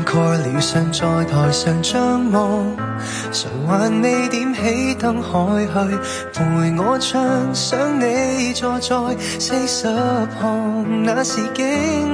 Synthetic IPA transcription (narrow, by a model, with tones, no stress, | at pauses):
kʰɔː˧liː˨˩wsœ˨˧nt͡ʃɔː˧jt̪ʰɔː˨˩jsœː˨ŋt͡ʃœ˥ŋmɔ˨˧˩ | sə˨˩ŋwaː˨˧nme˨˧jt̪iː˨˥mhe˨˥jt̪ɐ˧ŋhɔː˨˥jɦɵ˧ɥ | fuː˨˩jŋɔː˨˧˥t͡sʰœ˧ŋsœː˨˥ŋne˨˧t͡sɔː˧t͡sɔː˧j | se˧jsɐ˨˧˥p̚hɔː˧ŋŋnaː˨˧˥siː˨˩kɪ˧˥ŋ